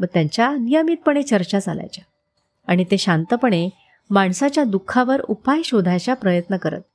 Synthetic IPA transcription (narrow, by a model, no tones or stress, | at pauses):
məɡ̚t̪jaɲt͡ɕjanijəmiːt̪̚pəɽ̃et͡ɕəɾt͡ɕad͡zʱala̰jt͡ɕa | aɽ̃it̪eɕant̪əpəɳ̃e | maɳsat͡ɕjad̪ukʰːaʋəɾupajɕod̪ʱajt͡ɕapɾəjət̪nəkəɾə̰t̪̚